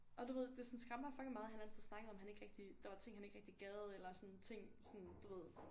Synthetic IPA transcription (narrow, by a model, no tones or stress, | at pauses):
ʔɒ̽d̥uʋe̝ð̞̰ˠd̥e̝sɔ̽nsɡ̥ʁamɑfɒɡ̥limɑ̈ːð̞̩ˠhænæl̰t͡sʰið̩̰ˠsnɑ̈ɡ̥əð̩ˠɒ̽mhæne̝ɡ̥ʁɛɡ̥̚d̥id̥ɑ̈ʋɑ̈t͡sʰe̝ŋ̰ɦhæne̝ɡ̥ʁeɡ̥d̥iɡ̥ɛːð̩ˠelɐsɒ̽nt͡sʰe̝ŋ̰sɔ̽nd̥uʋe̝ð̰ˠ